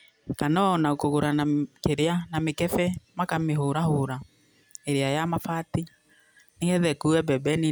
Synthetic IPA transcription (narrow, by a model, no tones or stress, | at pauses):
kanɔnaokoɣoɾanakeɾeanamekɛfɛmakameɦoɾahoɾa | eɾeajamafati | neɣɛðɛkuɛbɛbɛni